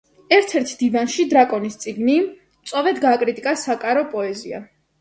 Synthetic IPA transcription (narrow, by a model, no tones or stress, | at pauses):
ɛɾt̪ʰɛɾt̪ʰd̪ivanʃid̪ɾakʼɔnist̪sʼiɡni | t̪sʼɔvɛd̪ɡaːkʼɾit̪ʼikʼasakʼaɾɔpʼɔɛzia̰